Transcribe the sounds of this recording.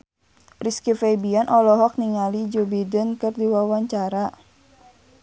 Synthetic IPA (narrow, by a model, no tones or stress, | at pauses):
riskifɛbianʔɔlɔɦɔk̚niŋalid͡ʒubidənkɨrdiwawaɲt͡ʃaɾa